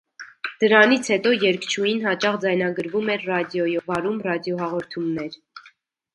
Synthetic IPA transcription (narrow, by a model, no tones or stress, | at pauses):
d̪̥əɾɑnit͡sʰhɛt̪ɔjɛɾkt͡ʃʰujinɦɑt͡ʃɑχd͡zɑjnɑɡəɾvumɛɾrɑd̪jɔjɔvɑɾumrɑd̪jɔɦɑʁɔɾt̪ʰumnɛɾ